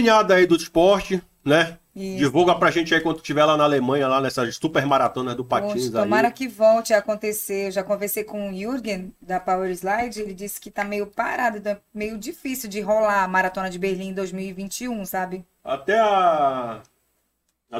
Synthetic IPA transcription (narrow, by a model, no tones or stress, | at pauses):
ɲad̪ɐaid̪ʊɪspɔɾt͡ʃɪ | nɛ | id͡ʒivuwɡɐpɾɐʒẽnt͡ʃɪaikwɐ̃nd̪ʊt͡ʃivɛlanaalemɐ̃ɲɐlanɛsɐzsupeɾmaɾat̪õnɐzd̪ʊpãt͡ʃĩzõmaɾɐkɪvɔwt͡ʃɪakõnt̪eseewʒakõveɾsejkõiuɾɡẽd̪ɐpaweɾzlajd͡ʒɪelɪd͡ʒisɪ̥kɪt̪amejʊpa̰ɾad̪ʊt̪ɐ̃ɛmejʊd͡ʒifisiwd͡ʒɪɦolaɐmaɾat̪õnɐd͡ʒɪbeɾlĩd̪ojzmiwivĩt͡ʃiũsabɪ | a̰t̪ɛa